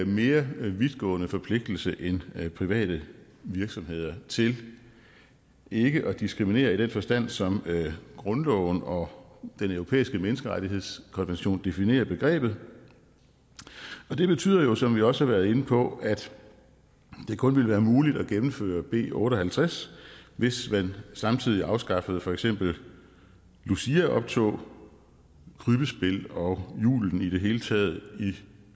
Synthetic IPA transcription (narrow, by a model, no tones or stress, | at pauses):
me̝ːɐʋiðˠɡ̥ɔ̰̽ːnəfɒ̽pʰle̝ɡ̥̚d̥l̩səʔenpʰʁiʋɛ̰ːd̥ə | ʋiɐɡ̥sɒ̽mɦe̝ð̞̰ˠɐt͡sʰe̝l | e̝ɡ̥əʔɒ̽d̥isɡ̥ʁimine̝̰ːɐid̥enfɒ̽sd̥æn̰sɒ̽mɡ̥ʁɔ̽nlɒʊn̩ɒ̽d̥enøʊʁo̝pʰḛːisɡ̥əmenəsɡ̥əʁaɾiɦe̝ð̞̰ˠskʰɒ̽nʋenɕo̝̰ːnd̥e̝fine̝̰ːɐb̥e̝ɡ̥ʁɛ̰ːb̥ð̩ˠ | ɒ̽d̥e̝b̥e̝t͡sʰy̰ːð̰ˠɐjo̝sɒ̽mʋiɒ̽səhɑʋæːɐð̞̩ˠe̝nəpʰɒ̽ʔæd̥ | d̥e̝kʰɔ̽nʋe̝ləʋæːɐmuːlid̥æɡ̥emm̩fø̰ːɐb̥e̝̰ːɔ̽ːɾ̥ɒ̽hælt͡sʰʁasʋe̝sʋænsɑ̈mt͡sʰið̞̰ˠiɑ̈ʊsɡ̥ɑ̈fəð̞̩ˠfɒ̽eɡ̥sem̰b̥l̩ | lusiæʔɒ̽b̥̚t͡sʰo̝̰ː | kʰʁyb̥əsb̥e̝lɒ̽jṵːln̩id̥e̝ɦe̝ːlət͡sʰɛ̰ːð̞̩ˠi